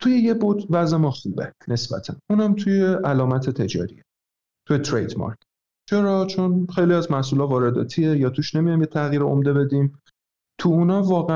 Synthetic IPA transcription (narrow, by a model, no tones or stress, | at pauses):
t̪ʰuje̞je̞bot̪væze̞mɒːxuːbene̞sb̥æ̰t̪ʰænunæmt̪ʰuje̞ʔælɒːmæt̪ʰe̞t̪ʰe̞d͡ʒɒ̰ːɾḭe | t̪ʰujet̪ʰɾḛjd̪mɒ̰ɾkʰ | t͡ʃʰe̞ɾɒːt͡ʃʰo̞nχejliæzmæhsuːlɒːvɒːɾe̞d̪ɒ̰ːt̪ʰiejɒːt̪ʰuːʃne̞mijɒjmjet̪ʰæɣjiːɾeo̰md̪e̞be̞d̪im | t̪ʰuunɒːvɒːɣe